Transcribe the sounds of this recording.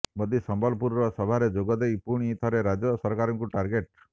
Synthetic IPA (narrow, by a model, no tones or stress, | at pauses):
mɔd̪isɔmbɔlɔpuɾɾɔsɔbʱaɾed͡ʒoɡɔd̪ejpuɽ̃it̪ʰɔɾeɾad͡ʒɔsɔɾkaɾɔŋkuʈaɾɡeʈ